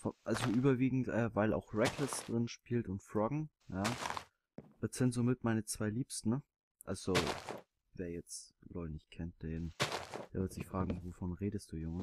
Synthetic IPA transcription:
fɔʔalzoʔyːbɐviːɡŋ̩tʔɛːvaɪla̰ʊxʁɛkʰlɐsd̥ʁɪnʃpiːltʊntfʁɔɡŋ̩ | jaː | d̥atz̥ɪntz̥oːmɪtmaɪnət͡sv̥aɪliːpstn̩ | ʔalz̥o | veːɐjɛt͡slɔʏtnɪçt̚kʰɛnt̚d̥eːnd̥eːɐvɪɐtz̥ɪçfʁ̥aːɡŋ̩vofɔnʁeːdəst̚d̥uːjʊŋ

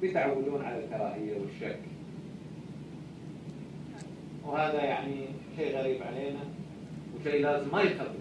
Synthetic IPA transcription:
bjɪt̪ʕawːaluːnʕalalk̪ːɑɾˤɑːʔɪjːawɪʃːakː | whaːðajaʕniʃejːɣaɾiːbʕaleːna | wɪʃeːlaːzɪmːajɪxɑt̪ˤː

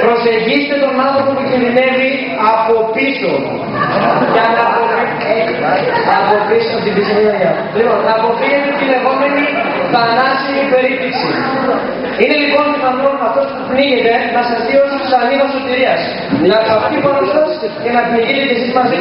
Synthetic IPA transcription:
pɾo̞se̞ʝiset̪e̞t̪o̞nɐnθɾopopucinðine̞vi | ɐpo̞piso̞ | ʝɐnɐpoi | ɐpo̞pisot̪ibisiniɐɲɐ | lipo̞nɐːpo̞fiɣet̪et̪ile̞ɣo̞me̞niθɐnɐsimipe̞ɾipliksi | ine̞lipo̞nðinɐnonmɐft̪o̞spupniʝet̪enɐsɐsðio̞set̪isɐniɣoso̞t̪iɾiɐs | lɐkːft̪iponosɐscenɐpniʝit̪et̪isimɐsi

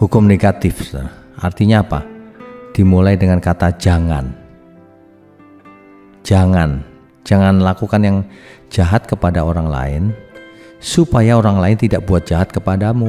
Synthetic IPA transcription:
hukʊmneɡat̪ɪfʔart̪iɲaːpa̰d̥imulajdəŋankat̪ad͡ʒaŋan | d͡ʒaŋan | d͡ʒaŋanlakukanjaŋd͡ʒaɦat̪̚kəpadaoɾaŋla̰ɪ̰n | supajaoɾaŋlaɪnt̪idaʔbuat̪̚d͡ʒ̥aɦat̪̚kəpadamu

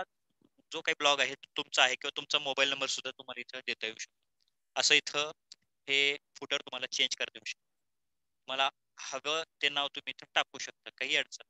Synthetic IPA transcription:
a | d͡zokaɦiːblɔɡaɦet̪umt͡saaɦekʲĩwʋat̪umt͡samobailnəmbəɾsud̪ʱːat̪um̤alait̪ʰəd̪et̪əjuːɕək̚t̪ə | əsəːit̪ʰə | hefuʈəɾt̪um̤alat͡ɕeɲd͡ʑkəɾt̪euːɕə̥k̚t̪ə | m̤əla | həʋet̪enːaʋt̪um̤iːt̪ʰəʈap̚uːɕək̚t̪akaɦiːəɽt͡sə

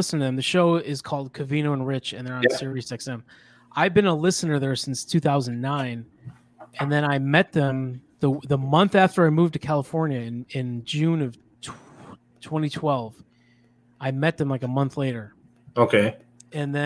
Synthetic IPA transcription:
ɪsn̩tʰɨðɨ̃mðɨʃoʊɪz̥kʰɔlˠd̚kʰɨvĩñoʊə̃nɹɪt͡ʃɨ̃nðə˞ə̃nsɪɹisɛksɛ̃m | ʔaɪvbɨ̃nəlɪsɨnə˞ðə˞sɪ̃nstʰʉθaʊzɨ̃n̩nãɪ̃n | ɨ̃nðɨ̃ɾ̃aɪmɛt̪̚ðɨ̃mðəðəmʌ̃nθæftə˞aɪmuvtʰɨkʰælˠəfɔɹnjɨɪ̃nɪ̃nd͡ʒʉ̃nʌv̥ | tʰ | tʰw̥ɛ̃ɾ̃itʰw̥ɛlˠv̥ | aɪmɛt̪̚ðɨ̃mlaɪkəmʌ̃nθleɪɾə˞ | oʊkʰeɪ | ɨ̃nðɨ̃

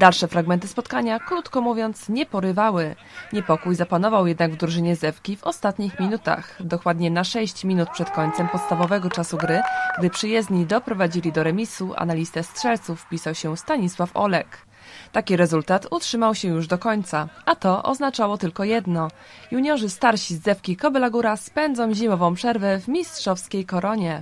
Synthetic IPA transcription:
d̪alʂɛfɾaɡmɛnt̪ɘspɔt̪kaɲakɾut̪kɔmuvʲjɔnt̪sɲɛpɔɾɘvawɘ | ɲɛpɔkujzapanɔvawjɛd̪naɡvd̪ɾuʐɘɲɛzɛfkʲivɔst̪at̪ɲixmʲinut̪a̰xd̪ɔkwad̪ɲɛnaʂɛɕt͡ɕmʲinut̪̚pʂɛt̪kɔɲʲt̪sɛmpɔt̪st̪avɔvɛɡɔt͡ʂasuɡɾɘɡd̪ɘpʂɘjɛzd̪ɲid̪ɔpɾɔvad͡ʑilʲid̪ɔɾɛmʲisuʔa̰nalʲist̪ɛstʂɛlt̪sufpʲisawɕɛst̪aɲiswafɔ̰lɛk | t̪akʲiɾɛzult̪at̪utʂɘmawɕɛjuʐd̪ɔkɔɲt̪saʔat̪ɔʔɔ̰znat͡ʂawɔt̪ɘlkɔjɛd̪nɔ | juɲɔʐɘst̪aɾɕizːɛfkʲikɔbɛlaɡuɾaspɛnd̪zɔ̃w̃ʑimɔvɔ̃w̃pʂɛɾvɛvmʲistʂɔfskʲejkɔɾɔɲɛ

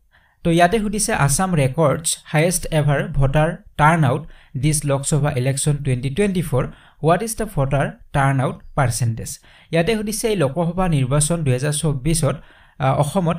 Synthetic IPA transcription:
tɔjatɛɦudisɛʔasamɹɛkɔɹdshajestɛbʱaɹbʱɔtaɹtaɹnawtdislɔksɔbʱaʔilɛksɔntwɛntitwɛntipʰɔɹ | wɔtizdəpʰɔtaɹtaɹnawtpaɹsɛntɛs | jatɛhudisɛejlɔkɔxɔbʱaniɹbasɔnduɦɛzaɹsɔbisɔt | ɔ̰xɔmɔt

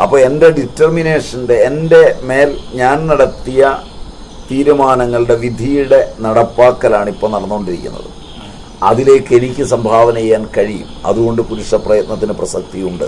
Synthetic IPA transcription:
ɐ̰pːoːɭe̞nde̞ɖitːɐrmine̞ːʂɐnde̞ːnde̞me̞ːlɲaːnnɐɽɐt̪ːijɐ | t̪iːɾumaːnɐŋːɐɭɨɽe̞ʋid̪ʱijuɽe̞nɐɽɐpːaːkːɐlaːɳipːoːnɐɽɐnːuoɳɖiɾikʲːṵnːɐ̰ðɨ̰ | ɐ̰ðile̞ːkːe̞nikʲːɨsɐmbʱaːʋɐnɐjejːaːnkɐɻijṵmɐ̰ðuɣo̞ɳɖɨpuɾuʂɐprɐjɐt̪̚nɐt̪ːinɨprɐsɐk̚t̪ijuɳɖɨ̰

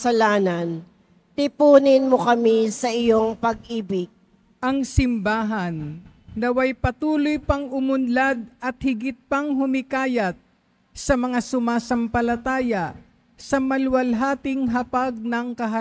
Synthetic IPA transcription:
ɐlaːnɐn | t̪ɪpuːnɪnmokɐmisɐʔɪjoŋpɐɡ̚ʔiːbɪɡ̚ | ʔɐŋsɪmbaːɦɐn | d̪ɐwɐjpɐt̪uːlojpɐŋʊmʊnlad̪̚ʔɐt̪̚hɪɡɪt̪̚pɐŋɦʊmɪkaːjɐt̪̚ | sɐmɐŋasʊmaːsɐmpɐlɐt̪aːjɐ | sɐmɐlwɐlɦaːt̪ɪŋɦɐpaɡ̚nɐŋkɐɦɐ

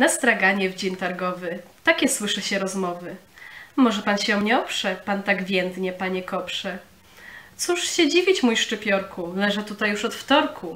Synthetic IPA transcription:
nast̪ɾaɡaɲɛvd͡ʑimt̪aɾɡɔvɘt̪akʲɛswɘʂɛɕɛɾɔzmɔvɘmɔʐɛpanɕɛɔmɲɛɔpʂɛpant̪aɡvʲjɛnd̪ɲɛpaɲɛkɔpʂɛ | t̪suʂɕɛd͡ʑivʲit͡ɕmujʂt͡ʂɘpʲjɔɾkulɛʐɛt̪ut̪ajuʂɔt̪ft̪ɔɾkʰu

